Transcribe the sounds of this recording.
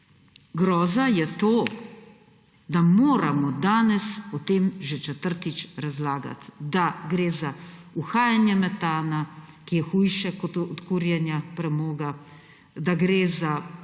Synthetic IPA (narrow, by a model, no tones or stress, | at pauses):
ɡɾɔːzajɛt̪oː | d̪amoːɾamɔd̪aːnɛspɔt̪eːmʒɛt͡ʃɛt̪əɾt̪it͡ʃɾazlaːɡa̰t̪d̪aɡɾeːzauxaːjanjɛmɛt̪aːna | kijɛxuːjʃɛkɔt̪ɔt̪kuːɾjɛnjapɾɛmoːɡa | d̪aɡɾeːza